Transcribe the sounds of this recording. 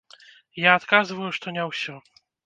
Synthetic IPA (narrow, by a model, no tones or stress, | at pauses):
jaːt̪kazvɐjuʂt̪ɔnʲɛwsʲɔ